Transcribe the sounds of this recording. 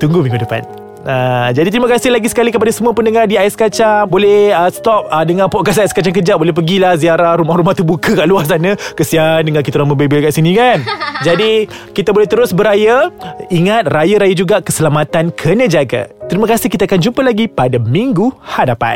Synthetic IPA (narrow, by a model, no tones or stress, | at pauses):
t̪uŋɡumĩŋɡudəpa̰n | ʔad͡ʒadit̪əɾimakasɪlaɡisə̥kalikəpadasəmuapəndəŋardiaɪsə̥kat͡ʃaŋbolɛhəst̪ɔp̚ədəŋãnpɔʔkas̬ajskat͡ʃaŋk̬əd͡ʒaʔ̚bolɛhp̬əɡilahziaɾahɾumahɾumaht̪ubukəkaʔluasanəkəsiandəŋakit̪uɾaŋməbebelkaʔsinĩkand͡ʒadi | kit̪abolɛht̪əɾʊsbəɾajaiŋat̪̚rajaɾajad͡ʒuɡakəsəlamat̪ankʰənə̃d͡ʒaɡa̰t̪əɾiməkasɪhkit̪aakand͡ʒumpəlaɡipadamiŋɡuhadapa̰t̪̚